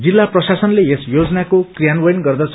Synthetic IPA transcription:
d͡zilːaprʌsasʌnleesjod͡zʌnakokrijanbʌjnɡʌrd̪ʌt͡sʰ

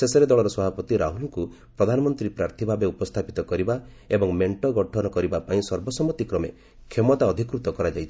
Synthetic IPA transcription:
sesɔɾed̪ɔɭɔɾɔsɔbʱapɔt̪iɾaɦulɔŋku | pɾɔd̪ʱanɔmɔnt̪ɾipɾaɾt̪ʰibʱabeupɔst̪ʰapit̪ɔkɔɾiba | ebɔŋmeɳʈɔɡɔʈʰɔnɔkɔɾibapaĩsɔɾbɔsɔmɔt̪ikɾɔmḛ | kʰemɔt̪aɔd̪ʱikɾut̪ɔkɔɾad͡ʒajt͡ʃʰi

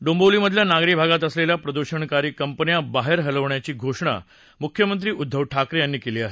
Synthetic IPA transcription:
ɖõmboliːməd̪ʱːjanaɡɾibʱaɡat̪əsleljapɾəd̪uɕəɳkaɾiːkəmpənijabaɦeɾɦələʋɳjat͡ɕiːɡʱoʂɳa̰ | mukʰjəmənt̪̬ɾiːʔud̪ʱːəʋʈʰakɾejanːiːkeliːaɦe

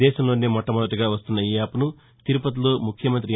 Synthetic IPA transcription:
ɛːʃɐmlo̞ːneːmɔʈːɐmɔd̪ɐʈuɡaːʋɐst̪unːɐiaːpunu | t̪iɾupɐt̪̬uloːmukʰjɐmɐnt̪ɾi

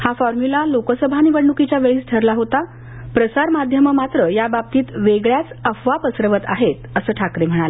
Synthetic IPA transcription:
hafɔɾmulalokəsəbʱañiʋəɳːukit͡ɕjaʋeɭisʈʰəɾlaɦot̪a | pɾəsaɾmad̪ʱjəməmat̪ɾəjabab̚t̪iːt̪ʋeɡɭjat͡səfʋapəsɾəʋət̪a̰ɦet̪əsəːʈʰakɾem̤əɽ̃alə

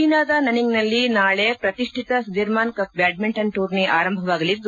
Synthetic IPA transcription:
inaːd̪ɐnɐniŋnɐlːinaːɭepɾɐt̪iʂʈʰit̪ɐsud̪iɾmaːnkɐpbjaːɖ̚meɳʈɐnʈuːɾneʔaːɾɐmbʱɐʋaːɡɐlid̪ːu

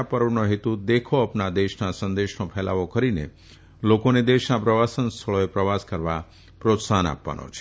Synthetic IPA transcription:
apəɾʋnoɦet̪ud̪ekʰoəpnad̪eʃnasənd̪eʃnopʰɛla̰ʋokəɾinḛ | lokoned̪eʃnapɾəʋasənst̪ʰəɭoepɾəʋaskəɾʋa | pɾot̪sana̰pʋa̰nʔo̰t͡ʃʰe̥

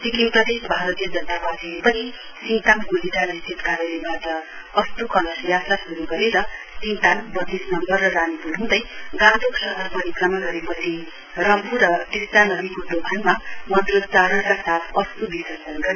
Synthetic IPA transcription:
sikimpʌd̪esbʱaɾʌt̪ijʌd͡zʌnt̪apatiepʌni | sint̪anɡud͡ziʈanist͡sit̪kaɾʌlebaʈʌ | ʌst̪ukʌnʌsjasasuɾuɡʌɾeɾʌ | sĩnt̪anbʌd̪esnʌmbʌrːʌranipuɾɦũd̪ʌjɡãt̪oksʌɦʌɾpʌɾikrʌmaɡʌɾepʌt͡sʰi | rʌmpurʌt̪est̪anʌbikod̪obʱanmamʌnd̪rodt͡saɾʌnkasat̪ʰʌst̪ubisʌsʌnɡʌɾ

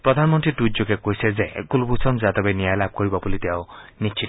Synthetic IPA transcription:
pɾɔd̪ʱanmɔnt̪ɹiʈud͡ʒokekojsezekulbusʰɔnzad̪ɔbeniajlab̚ʱkɔɹibɔbulit̪eʊnit͡ʃʰit

